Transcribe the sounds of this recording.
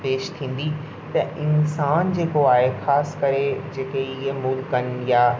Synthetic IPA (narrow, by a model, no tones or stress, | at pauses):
peːʃt̪ʰĩːn̆d̪i | t̪ɐɪnsaːnd͡ʑeːkoaːɦexaːskɐɾed͡ʑeːkeɪɦemʊlkɐnjaː